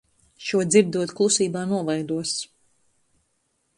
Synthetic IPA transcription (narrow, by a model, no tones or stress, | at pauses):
ʃuɔd̪ziɾd̪uɔt̪klˠusiːbaːnuɔvajd̪uɔs